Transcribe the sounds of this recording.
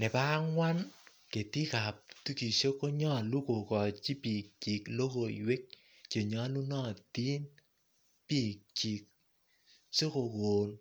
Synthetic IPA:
nɛ˨pa˦ŋwa˦n | ke˨ti˦ka˨p̚tu˦ki˨ʃo˦ko˦ɲɔ˦˨lu˦ko˨kɔ˨t͡ʃi˦pi˨k̚t͡ʃi˨klo˦ko˨ḭ˨we˦k̚ | t͡ʃe˨ɲɔ˦lu˦nɔ˦˨ti˦n | pi˦˨k̚t͡ʃi˨k̚ | so˦ko˨ko˨n

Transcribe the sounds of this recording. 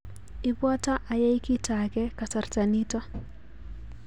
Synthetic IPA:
ɪ˨bwɔ˦ta˦ʔa˨jɛ˦i˦ki˦ta˨ɡɛ˦ka˨sa˨rta˨ni˦tɔ˦

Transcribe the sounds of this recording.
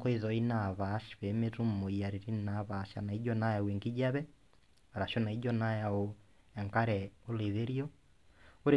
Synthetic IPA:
kɔ˦iðɔi˦na˨βa˦ʃβɛ˨me˦ɾu˦m̩mo˨ija˨ɾiɾi˦na˨˦βa˨˦ʃa̰˨na˨i˦d͡ʒɔna˦ja˨we˨ŋɡi˦ɟa˦βɛ | a˨ɾa˨ʃo˦na˨i˦d͡ʒɔ˦na˦ja˨o | ɛ˨ŋka˦ɾɛo˦le˨ðe˦ɾjɔ˦ | o˦ɾe˨

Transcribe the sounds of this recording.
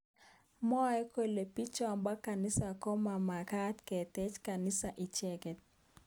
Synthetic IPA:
mɔ˦ɛ˦kwe˨le˨pi˦t͡ʃɔ˨mba˦ka˨nɪ˦sa˨ko˦ma˨ma˨ka˦tkɛ˨tɛ˦t͡ʃka˨nɪ˦sa˨ʔɪ˨t͡ʃɛ˦kɛ˨t̚

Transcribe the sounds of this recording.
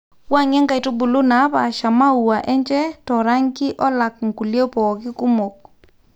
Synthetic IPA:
wa˦ŋɛ˦ŋɡa˨i˨to˦bu˨lu˦na˨˦βa˨ʃa˨ma˦u˨wa˨ʔɛ˦ɲt͡ʃɛ˦tɔ˨ɾa˦ŋɡɪ˦ʔɔ˦la˨k̚ŋ̩ku˨ljɔ˦pɔ˨kɪ˦ku˦mo˨k̚

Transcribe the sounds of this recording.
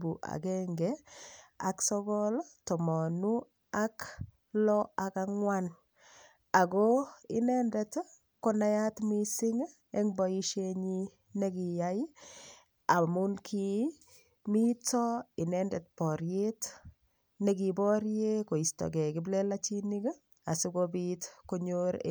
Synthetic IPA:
bu˨ʔa̰˨ɡɛŋɡɛ | a̰˨ksɔ˦ɡɔlɔtɔ˨mɔ˨nu˦ | a˦k | lɔa˨ka˦ŋwa˦n | a˨ɡɔ˦ɪ˦nɛ˦ndɛt | kɔ˦na˦ja˦tmisɪ˦ŋ | ɛ˦ŋbɔi˦ʃeɲi | ne˦ɡi˨jaji | a˨munkʰi | mi˦tɔɪ˨nɛndɛtpɔɾjet | ne˦ɡi˨bɔɾje˦ko˨i˨stɔ̰ɡɛ˨kɪ˨blɛ˦lat͡ʃini˦ɡ | a˨si˦ɡobitkoɲoɾḛ

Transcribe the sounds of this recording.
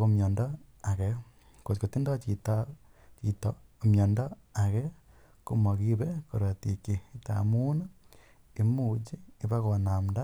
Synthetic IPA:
omjo˨ndo | a˨ɣe | ko˨ko˨ti˦ndo˦t͡ʃi˨ta | t͡ʃitomjo˨ndo˦ | a˨ɣe˦ | ko˦mo˨ɣi˦βe˦ko̰˨ɾa˨ti˨ke˨ta̰mu˦na˦ | e˦mu˦t͡ʃi˦e˦βa˦ɣo˨na˨mda˦

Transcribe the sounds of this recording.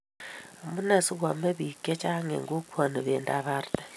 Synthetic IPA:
a˨mu˦na˨si˦ɣwa˨me˦βi˨kːɛ˦t͡ʃa˦ŋɛ̰˨ŋɡo˦kʰwa˨ni˨βe˨nda̰˨βa˦rtḁ˨

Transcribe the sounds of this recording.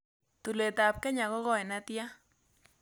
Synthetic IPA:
t̪u˨le˨t̪a˨p̚kɛ˦ɲa˨kɔ˦ɣɔ˦ɛ˨na˦t̪ja˦

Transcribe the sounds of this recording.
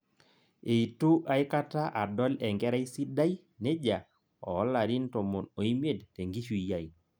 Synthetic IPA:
e˨i˨tu˦ʔa˨ɪ˦ka˦ta˦ʔa˨dɔ˦lɛ˨ŋɡɛ˦ɾa˦i˦si˦da˦i˦ | ne˦d͡ʒa˨ | ɔ̰˨˦la˨ɾi˦nto˨mo˨no˨i˦mje˦˨dte˨ŋɡi˦ʃu˦˨i˨ja˦˨i˨

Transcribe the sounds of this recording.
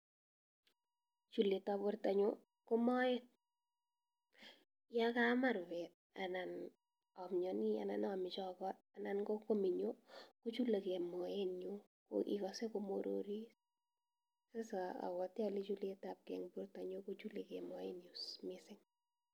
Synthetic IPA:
t͡ʃu˨le˨ta˨pʊ˦rta˨ɲo˦ | kɔ˦mɔ˦ɛ˦t̚ | ja˦ka˦ma˦ɾbɛ˨t̚a̰na˨n | ɔ˨mɲɔ˨ni˦a̰˨na̰˨nɔ˨mɪ˨t͡ʃɔ˨kɔ˦t̚a˨na˨nkɔ˦ko˦mi˨ɲo˦ko˦t͡ʃu˦le˨ke˨mɔ˨je˦no | ko̰ʔḭ˨kɔse˦komoɾo̰ɾi˦ | se˦saa̰˨kɔ˨tja˦li˦t͡ʃu˦le˦ta˨p̚kɛ̰ŋpʊ˦rta˨ɲo˦ko˦t͡ʃu˦le˨ke˨mɔ˨je˦njusmɪsɪ˦ŋ

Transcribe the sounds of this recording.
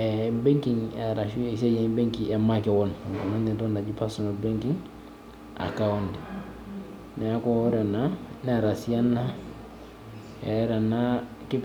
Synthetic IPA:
ebe˦ŋkiŋe˨ɾa˨ʃise˦jebe˦ŋkie˨make˨won˨ŋko˨na˦nːi˨do˦nda˨ɟi˦paso˨no˨be˦ŋki˦ŋ | a̰˨kawo˦ndi˨ | ne˨a˦ko˦u˦ɾe˨nane˨ɾa˨si˦ja˦nːa˦ | ḛ˨˦ɾe˨na˦ | ki˦

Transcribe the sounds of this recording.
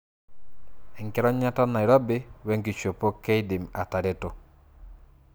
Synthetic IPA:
ɛ˨ŋkɛ˦ɾɔ˦ɲa˦ta˦na˨i˨ɾɔ˦bɪ˦wɛ˦ŋɡi˨t͡ʃo˨po˦ke˦i˦dɪ˨ma˨ta˨ɾe˦to˨

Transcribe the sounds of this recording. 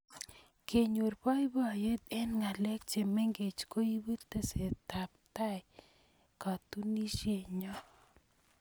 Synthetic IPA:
kʰe˨ɲo˨ɾpɔ˦i˦bɔ˦˨je˦t̪ɛ˦nŋa˨lɛ˦k̚t͡ʃe˨me˦ŋɡe˨t͡ʃko˦ji˦bu˦t̪ːe˨se˨t̪a˨p̚t̪a˦j | ka˨t̪u˦ni˦ʃje˨ɲɔ˦

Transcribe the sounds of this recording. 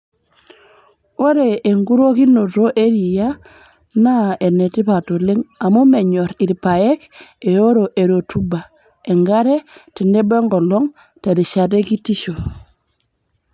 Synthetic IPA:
wo˦ɾe˨e˨ŋɡu˦ɾo˦ki˦no˨to˦ʔe˦ɾi˨ja | na˦e˨ne˨ti˦pa˨to˨li˦ŋa˨mu˦me˨ɲo˨ɾi˨ɾpa˨je˦ke˨jo˦ɾo˨ʔe˨ɾo˨tuba˨ | e˨ŋɡaɾe˦ti˨nde˦be˦ŋɡo˨loŋ | te˨di˨ʃa˨te˦ki˦ti˦ʃo˨

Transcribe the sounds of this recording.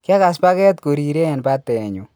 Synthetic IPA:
ka˦ka˨spa˦kɛ˦tko˨ɾi˨ɾe˦ɛ˨npa˦tɛ˨ɲu˨

